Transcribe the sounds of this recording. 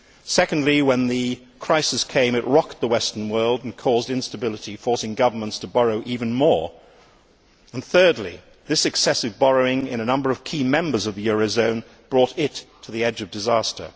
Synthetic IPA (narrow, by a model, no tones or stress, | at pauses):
sɛkn̩dˡliwə̃nðɨ | kʰɹ̥aɪsɨskʰẽɪ̃mɨʔ̚ɹɑk̚t̪̚ðəwɛstə̃˞nwɜ˞lˠdn̩kʰɔzdɨ̃nstɨbɪlˠəɾifɔɹsɪ̃ŋɡʌvə˞mə̃ntstʰəbɑɹoʊʔivɨ̃nmɔɹ | ə̃nθɜ˞dˡlḭ | ðɪsɨksɛsɨvbɑɹoʊɪ̃ŋɪ̃ñɨnʌ̃mbə˞ʌv̥kʰimɛ̃mbə˞zʌvðɨjʊɹoʊzõʊ̃n | b̥ɹɔɾɪtʰɨðiɛd͡ʒʌvdɨzæstʰə̰˞